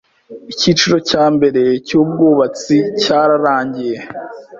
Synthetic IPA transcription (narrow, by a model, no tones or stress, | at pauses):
icit͡ʃuɾo̞caːmbe̞ɾe̞cuːb̚ɡuːβat͡sicaːɾaɾaːɲɟije̞